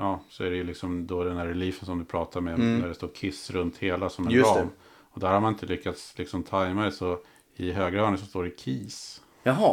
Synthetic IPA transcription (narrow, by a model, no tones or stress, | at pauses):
jɑːsɔæɾɛjɵlɪksɔmd̪ɔd̪ɛnd̪æɾːɛliːfənsɔmd̪ɵpʰɾɑːt̪ʰaɾmɛnæɖɛst̪oːɾkʰɪsːɾɵnt̪heːlasɔmɛɑm | ɔd̪æɾhaɾmanɪnt̪əlʏkːat̪slɪksɔmt̪ʰajmad̪ɛsɔ | ɪɦøːɡɾaœːɳəsɔst̪oːɖɛkʰiːs | ɑɦɑ